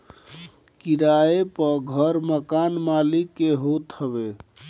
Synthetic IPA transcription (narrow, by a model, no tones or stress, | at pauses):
kiɾaepəɡʱəɾməkanmalikːeɦot̪ɦəbe